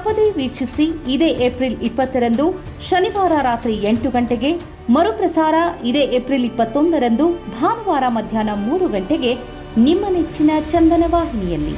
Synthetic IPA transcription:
ɐpɐd̪eːʋiːkʂisiːd̪eːʔepɾilipːɐt̪ːɐɾɐnd̪u | ʃɐniʋaːɾaɾaːt̪ɾieɳʈuɡɐɳʈeɡe̞ | mɐɾupɾɐsaːɾɐid̪e̞ːʔepɾilipːɐt̪ːond̪ɐɾɐnd̪ubʱaːnɐʋaːɾamɐd̪ʱjaːnɐmuːɾuɡɐɳʈeɡe̞ | nimːɐnet͡ʃːinɐt͡ʃɐnd̪ɐnɐʋaːɦinijɐlːḭ

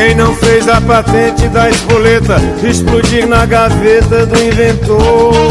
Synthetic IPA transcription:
ẽj̃nɐ̃w̃fezɐpat̪ẽnt͡ʃɪd̪ɐezbolet̪ɐɪsplud͡ʒiɾnɐɡavet̪ɐd̪ʊĩvẽnt̪o

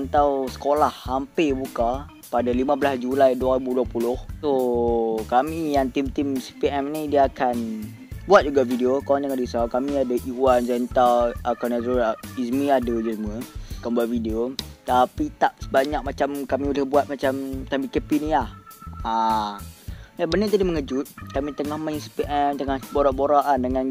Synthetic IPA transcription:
ant̪awsə̥kolahːampebuka | padalimãblasd͡ʒulajduaɣibuduapulʊhso | kamijaŋt̪imt̪imsi̥piɛmnidiaakan | buat̪̚d͡ʒuɡavidiokalaŋɲakandisakamĩadaʔiwand͡ʒɛnt̪alakanazoismiadəd͡ʒəsəmuəakanbuat̪̚fideot̪apit̪ap̚səbaɲak̚mat͡ʃamkamibolɪhbuat̪̚mat͡ʃamt̪abikəpiniaha | jabənət̪adiməŋəd͡ʒʊt̪̚kamĩt̪əŋahmãisipiʔɛmt̪əŋahboɾaʔboɾaʔandəŋãn

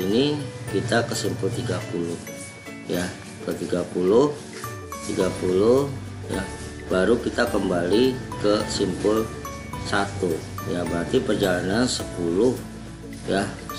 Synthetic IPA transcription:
inikit̪akəsimpʊlt̪iɡapulʊh | ja | kət̪iɡapulʊh | t̪iɡapulʊh | ja | baɾukit̪akəmbalikəsimpʊl | sat̪u | jabəɾat̪ipərd͡ʒalanansəpulʊh | ja

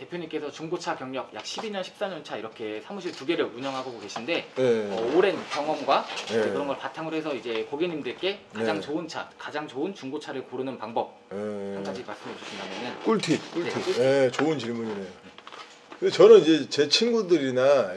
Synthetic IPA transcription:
te̞pʰjoɲimk͈esʰʌt͡ɕuŋɡot͡ɕʰakjʌŋɲʌɡ̚ja̰k̚ɕʰibiɲʌnɕʰi̥p̚s͈aɲʌnt͡ɕʰaiɾʌkʰe̞sʰamuɕʰiɭtuɡe̞ɾɯɭuɲʌŋɦaɡoɡoke̞ɕʰinde̞ʌoɾe̞nkjʌŋwʌmɡwaeɯɾʌnɡʌɭpatʰaŋɯɾoɦe̞sʰʌid͡ʑe̞koɡiɲimdɯɭk͈e̞kad͡ʑaŋt͡ɕoɯnt͡ɕʰa̰kad͡ʑaŋt͡ɕoɯnt͡ɕuŋɡot͡ɕʰaɾɯɭkoɾɯnɯnpaŋbʌp̚eamt͡ɕʰaiɡmaɭs͈ɯmɯt͡ɕ͈oɕʰindamjʌnɯnk͈uɭtʰikuneijet͡ɕoɯnt͡ɕiɭmuɲine̞jo | kɯndet͡ɕʌnɯnid͡ʑe̞t͡ɕe̞t͡ɕʰinɡudɯɾina

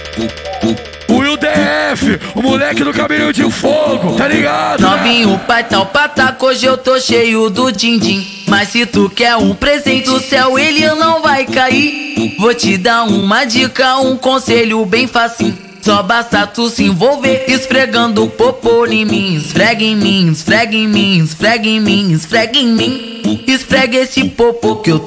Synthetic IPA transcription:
ʊid̪eɛfɪʊmulɛkɪd̪ʊkamĩɲʊd͡ʒɪfoɡʊt̪aliɡad̪nɔ̃mĩʊpajt̪awpat̪akoʒewt̪oʃejʊd̪ʊt͡ʃĩd͡ʒĩ | mɐssɪt̪ukɛɾũpɾezẽnt͡ʃ̪ɪd̪ʊsɛwelɪnɐ̃w̃vajkaivot͡ʃɪd̪aɾũmɐd͡ʒikɐũkõseʎʊbẽj̃fasĩ | sɔbast̪ɐt̪usẽvowveɪsfɾeɡɐ̃nd̪ʊpopolĩmĩĩsfɾɛɡẽj̃mĩĩsfɾɛɡẽj̃mĩĩsfɾɛɡẽj̃mĩĩsfɾɛɡẽj̃mĩ | ɪsfɾɛɡesɪpopʊkew

